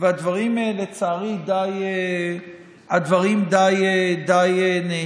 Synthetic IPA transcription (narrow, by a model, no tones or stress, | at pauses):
vead̪vaʁimaelet͡saːʁid̪aje | ad̪vaʁimd̪ajed̪ajene